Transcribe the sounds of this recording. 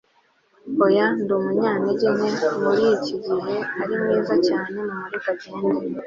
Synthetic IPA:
bojandumuɲaːneɟene̞muɾiciɟiɦeaɾimŋiːzacaːne̞mumuɾiɡaɟiɦuɾi

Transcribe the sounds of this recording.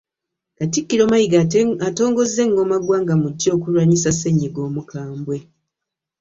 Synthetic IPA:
katikːiɾo̞ːmajiɡaato̞ːŋɡo̞ze̞ŋɡo̞maɡwaːŋɡamuɟːo̞ːkulwaɲisase̞ɲːiɡo̞ːmukʰaːmbwe̞

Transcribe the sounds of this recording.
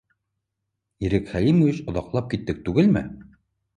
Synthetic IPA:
iɾɘkχælimovʲiɕŏðɑqlˠɑp̚kit̪ːɘk̚t̪ʉɡɘlmɘ̰

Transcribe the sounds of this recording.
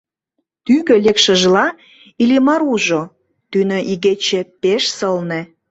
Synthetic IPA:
t̪yɣø̆lekʃə̆ʒlɑ | ilimɑɾuʒo | t̪ynøʔiɣet͡ɕepeʃsəlnĕ

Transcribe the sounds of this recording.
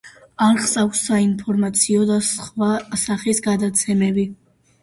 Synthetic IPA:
aɾχsʼavsːainpʰɔɾmat̪sʰiɔd̪asχvasaχisɡad̪at̪sʰɛmɛbi

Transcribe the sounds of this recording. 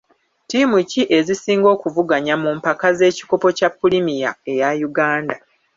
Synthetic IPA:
timuciʔe̞zisiːŋɡo̞ːkuvuɡaɲamumpakaze̞ːci̥ko̞po̞capːulimija̰e̞jajuɡaːnda

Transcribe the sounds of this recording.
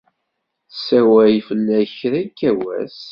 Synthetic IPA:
θsæwæjfəlːæçɾækːæwæ̰s

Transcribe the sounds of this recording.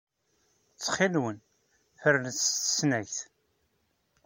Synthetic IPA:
t͡sːχilwən | fəɾlət͡sːt̪ə̥snæçθ

